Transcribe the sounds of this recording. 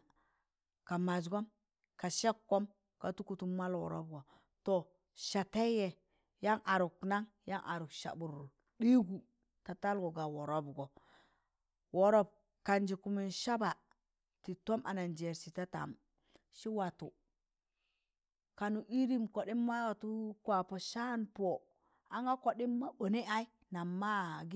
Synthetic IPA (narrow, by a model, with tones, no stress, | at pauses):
ka˨ma˨d͡ʒɡo˦m | ka˨ʃe˦kːo˦m | ka˨tu˦ku˨tu˨mːa˦lwo̰˨ɾo̰˦bɡo˨ | to˨ | ʃa˨ta˦je˨ | ja˦ŋʔa˨ɾu˨kna˦ŋ | ja˦ŋʔa˨ɾu˨kʃa̰˨bu˨ɾu˨ | ɗi˦ɡu˨ | ta˨ta˦lɡo˨ɡa˨wo˨ɾo˦bɡo˨ | wo˨ɾo˦b̚ | ka˨nd͡ʒi˨ku˨mi˨nʃa˦ba˨ | ti˨to˦mʔa̰˨na˨nd͡ʒe˨ɾsi˨ta˦ta̰˨m | ʃi˦wa˨tu˨ | ka˨nu˨ʔi˦ɾi˦mko˨ɗi˦mːa˦wa˨tu˦kwa˨po˨ʃa˦npo˨ | a˨ŋa˦ko˨ɗi˦mːa˦ɓo˨ne˦ʔa˦i˦ | na˨mːa˦ɡ